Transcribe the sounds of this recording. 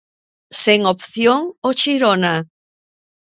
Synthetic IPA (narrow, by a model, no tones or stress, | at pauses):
seŋopθjoŋot͡ʃiɾona